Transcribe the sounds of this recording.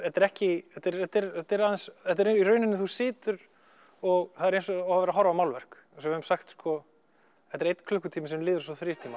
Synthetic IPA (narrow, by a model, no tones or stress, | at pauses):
θɛt̪ɛɾɛhcɪɛt̪ɛɾɛt̪ɛɾɛt̪ɛɾaðɛnsθɛt̪ɛɾeirœɥnɪnːɪθusɪːt̪ʏɾ | ɔɣθaðɛɾejnsɔavavɛɾaɦɔɾvamawlvɛɾ̥k | sɔvɪðʏmsaxt̪skɔ | ɛt̪ɛɾejt̪n̥kʰlʏhkʏt̪ʰiːmɪsɛmlɪːðʏɾsɔθɾiːɾt̪ʰiːma